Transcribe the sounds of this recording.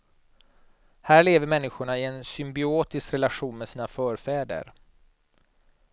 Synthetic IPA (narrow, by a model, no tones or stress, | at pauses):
hæːɭeːvəɾmɛnːɪɧʊɳaɪɛnsʏmbɪoːt̪ɪskɾɛlaɧuːnmɛsiːnafœːɾfɛːd̪ə̰ɾ